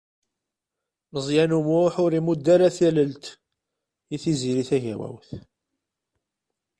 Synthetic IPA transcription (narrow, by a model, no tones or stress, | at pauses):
nəzˤjænumʊħʊɾimud̪ːaɾaθæləlt̪ | iθiziɾiθæʝæ̰wæ̰wθ